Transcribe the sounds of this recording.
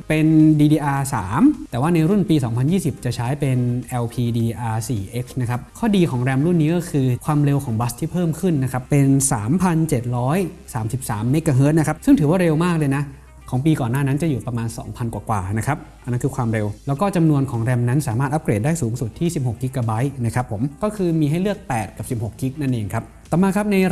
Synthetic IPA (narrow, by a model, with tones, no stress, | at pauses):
pe˧ndiː˧diː˧ʔaː˧saː˩˦mt̪ɛː˨˩waː˥˩na˧jɾu˥˩npiː˧sɔː˩˦ŋpʰa˧njiː˥˩si˨˩p̚t͡ɕa˨˩t͡ɕʰaː˦˥jpe˧nʔɛ˧wpʰiː˧diː˧ʔaː˧siː˨˩ʔe˦˥k̚sna˦˥kʰa˦˥p̚kʰɔː˥˩diː˧kʰɔː˩˦ŋɾɛ˧mɾu˥˩nːiː˦˥kɔː˥˩kʰɯː˧kʰwaː˧mɾe˧wkʰɔː˩˦ŋba˦˥st̪ʰiː˥˩pʰɤː˥˩mkʰɯ˥˩nːa˦˥kʰa˦˥pːe˧nsaː˩˦mpʰa˧nt͡ɕe˨˩t̪̚ɾɔː˦˥jsaː˩˦msi˨˩p̚sa̰ː˩˦mːeː˦˥kːaː˧ɦɤː˦˥t̪̚na˦˥kʰa˦˥psɯ˥˩ŋt̪ʰɯː˩˦waː˥˩ɾe˧wmaː˥˩k̚lɤː˧jna˦˥ | kʰɔː˩˦ŋpiː˧kɔː˨˩nːaː˥˩na˦˥nt͡ɕa˨˩juː˨˩pɾa˧maː˧nsɔ̰ː˩˦ŋpʰa˧nkwaː˨˩kwa̰ː˨˩na˦˥kʰa˦˥p̚ʔʔa˧na˦˥nkʰɯː˧kʰwaː˧mɾe˧wlɛ˦˥wkɔː˥˩t͡ɕa˧mnu˧ənkʰɔː˩˦ŋɾɛ˧mna˦˥nsaː˨˩˦maː˥˩t̪ʔa˦˥pkɾeː˨˩daː˥˩jsuː˩˦ŋsu˨˩t̪ʰːiː˥˩si˨˩p̚ho˨˩k̚ːi˦˥kːaː˧ba˦˥jna˦˥kʰɾa˦˥pʰːo˩˦mkɔː˥˩kʰɯː˧miː˧ɦa˥˩jlɯ˥˩ək̚pɛː˨˩t̪̚ka˨˩p̚si˨˩p̚ho˨˩k̚ki˦˥k̚na˥˩nʔeː˧ŋkʰa˦˥p̚t̪ɔː˨˩maː˧kʰa˦˥p̚na˧